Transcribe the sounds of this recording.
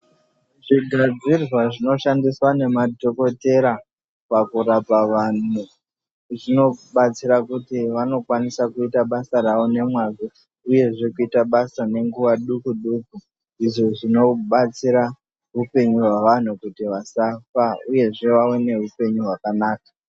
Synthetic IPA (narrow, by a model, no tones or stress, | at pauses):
ʐ̥iɡʱad͡zirwaʐino̞ʃandiswane̞mato̞ko̞te̞ɾa | pakuɾapaʋan̤u | ʐino̞ɓat͡siɾakutiʋano̞kwanisakuitaɓasaɾaʋo̞ne̞mwazo | uje̞ʐe̞kuitaɓasane̞ŋɡuʋaɗukuɗuku | iʐoʐino̞ɓat͡siɾa | ɦupe̞ɲuɦwaʋan̤ukutiʋasafauje̞ʐe̞ʋawene̞ɦupe̞ɲuɦwakanaːkḁ